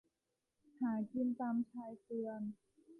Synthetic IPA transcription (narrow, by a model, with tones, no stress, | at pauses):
haː˩˦ki˧nt̪aː˧mt͡ɕʰaː˧jsɯ˧ən